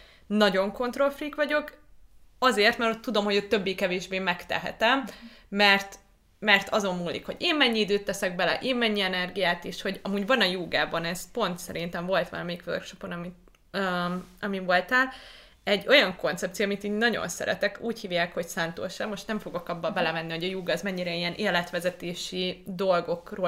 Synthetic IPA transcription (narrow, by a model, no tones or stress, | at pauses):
nɒɟo̞ŋko̞nt̪ro̞lfrikʋɒɟo̞k | ɒzeːrt̪mɛɾot̪ːud̪o̞mho̞ɟøt̪ːøbːeːkɛveːʒbeːmɛkt̪ɛ̰ɦɛ̰t̪ɛmː | ɛrt̪ | mɛrt̪ʰɒzo̞mːuːlːḭkho̞ɟeːmmɛɲːiid̪øːt̪ːɛsɛɡ̚bɛlɛ̰ʔeːmmɛɲːiɛnɛrɡijaːt̪eːʃho̞ɟɒmuːɟʋɒnɒjuːɡaːbɒnɛspo̞nt̪sɛɾint̪ɛɱvo̞lt̪ʋɒ̰lɒmɛikʋø̰rkʃo̞po̞nɒmit̪ | øɒmivo̞lt̪aːl | ɛɟːo̞jɒŋko̞nt̪sɛp̚t̪sijoːmit̪iːɲnɒɟo̰nsɛ̰ɾɛ̰t̪ɛkuːchiːvjaːkho̞csaːnt̪o̰ːʃɛmːo̞ʃt̪nɛɱfo̞ɡo̞kɒbːɒbɛlɛmɛnːiho̞ɟɒjuːɡɒzmɛɲːiɾɛijɛnʔeːlɛt̪ʋɛzɛt̪eːʃid̪o̞lɡo̞kroː